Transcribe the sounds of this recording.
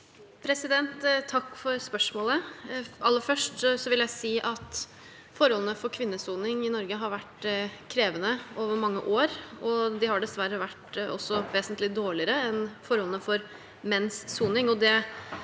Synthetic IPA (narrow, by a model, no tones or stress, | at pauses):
pʰɾɛsɪd̪ɛnt̪t̪ʰːɑkːfɔɾspœʂmoːləɑlːəfœʂʈsɔʋɪljæɪsiːʔɑt̪ | fɔɾhɔlənəfɔɾkʰʋɪnːəsuːnɪŋɪnɔɾɡəɦɑɾʋæʈkʰɾeːʋənəoːʋəɾmɑŋːə̰ʔoːɾɔd̪ɪhɑɖɛsʋæɾːəʋæʈɔ̰sːɔʋeːsənt̪lɪd̪oːɭɪəɾəɛnfɔɾhɔlnəfɔɾ | mɛnsːuːnɪŋɔd̪ɛ